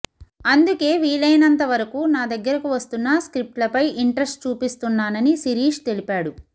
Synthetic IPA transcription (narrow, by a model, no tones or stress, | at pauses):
ɐnd̪uke̞ːʋiːlɐjnɐnt̪ɐʋɐɾɐkuːnaːd̪ɐɡːɐɾɐkuʋɐst̪unːaskɾip̚ʈlɐpɐjiɳʈɾɐsʈt͡ʃuːpist̪unːaːnɐnisiɾiːʂt̪e̞lipaːɽu